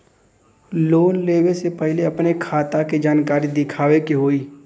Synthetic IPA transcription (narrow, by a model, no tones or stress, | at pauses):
loːnleːwesepɛɦleɐpnekʰaːt̪aked͡ʒaːnkaːɾid̪ɪkʰaːʋekeɦoːiː